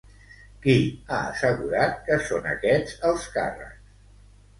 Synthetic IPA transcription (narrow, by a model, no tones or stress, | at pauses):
kiaə̰səɣuɾat̪̚kəsonə̰kɛd͡zəlˠska̰rə̰ks